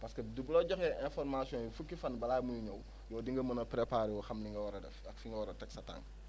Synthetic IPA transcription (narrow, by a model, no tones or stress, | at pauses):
pɐskɐdublɔɟɔxɛʔɛ̃nfɔrmasijɔ̃ːnjifukːifɐnbɐlaːmujiɲɐw | jɔːdiŋɡɐmɐnɐpɾepaːɾiwɔxɐmniŋɡɐwɐɾɐdɛ̰fɐkfiŋɡɐwɔɾɐtɛksɐta̰ŋ